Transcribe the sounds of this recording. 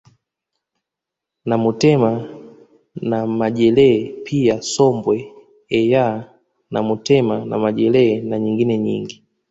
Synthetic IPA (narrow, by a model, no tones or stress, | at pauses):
namutɛma | namaʄɛlɛpʰiasɔmbwɛ | ɛja | namutɛmana̰maʄɛlɛnaɲiŋɡinɛɲḭŋɡi